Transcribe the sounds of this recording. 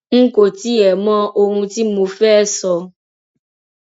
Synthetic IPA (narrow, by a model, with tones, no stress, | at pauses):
ŋ̩˦ko˨t̪i˦ɛ˨mɔ̃˦ʔo˧ŋũ˧t̪i˦mũ˨fɛː˦sɔ˨